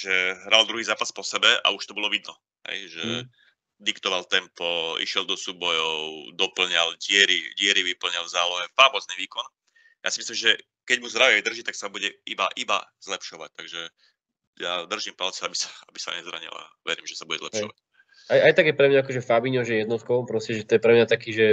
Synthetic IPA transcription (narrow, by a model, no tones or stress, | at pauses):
ʒɛɦɾald̪ɾuɦiːzaːpaspɔsɛbɛa̰uʃt̪ɔbɔlɔʋid̪nɔ | ɦɛ̰jʒɛ | d̪ikt̪ɔʋalt̪ɛmpɔḭʃɪɛld̪ɔsuːbɔjɔʊd̪ɔpl̩ɲalɟɪɛɾiɟɪɛɾiʋipl̩ɲalˠvzaːlɔɦɛfaːmɔzniːʋiːkɔn | jʔa̰simislimʒɛ | kɛɟmuzd̪ɾaʋiɛd̪r̩ʒit̪aksabuɟɛibaʔiba̰z̥lɛpʃɔʋac̚t̪aɡʒɛ | jad̪r̩ʒimpalt͡sɛabisḁabisa̰ɲɛzɾa̰ɲḭla̰ʋɛɾḭːmʒɛsauɟɛzlɛ̰pʃɔʋac̚ | ajajt̪aɡjɛpɾɛmɲaakɔʒɛfabiɲɔʒɛjɛd̪nɔt̪kɔpɾɔscɛʒɛt̪ɔjɛpɾɛmɲat̪akiːʒɛ